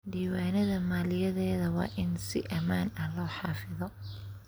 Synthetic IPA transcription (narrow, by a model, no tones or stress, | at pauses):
ɖiːwaːnɐðɐmaːlɪjɐðɛːðɐwɑ̰ːʔɪnsɪ̰ʔɐmaːnɐlɔːħɑːfɪðɔ